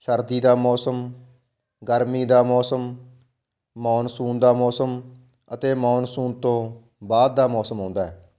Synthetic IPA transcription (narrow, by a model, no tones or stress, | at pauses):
ʃəɾd̪iːd̪aːmɔːsəm | ɡəɾmiːd̪aːmɔːsəm | mɔːnsuːnd̪aːmɔːsəm | ət̪eːmɔːnsuːnt̪õː | baːd̪̚ːaːmɔːsəmɦõːnd̪aːɦɛː